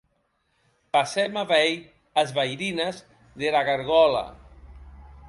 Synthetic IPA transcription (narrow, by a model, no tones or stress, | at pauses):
pasɛmaβɛj | azβajɾinaz | ðelaɣaɾɣɔla̰